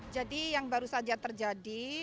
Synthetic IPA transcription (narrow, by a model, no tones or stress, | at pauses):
d͡ʒadijaŋbaɾusad͡ʒat̪ərd͡ʒadi